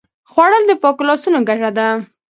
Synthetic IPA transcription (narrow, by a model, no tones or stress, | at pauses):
xwaɽəld̪əpɑkulɑsunoɡaʐad̪a